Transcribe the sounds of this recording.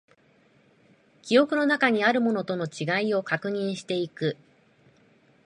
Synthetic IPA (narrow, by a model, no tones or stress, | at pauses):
kʲio̞kɯ̟no̞nakaɲ̟iaɾɯ̟mo̞no̞t̪o̞no̞t͡ɕiɡaio̞kakɯ̟ɲ̟ĩɰ̃ɕi̥t̪e̞ikɯ̟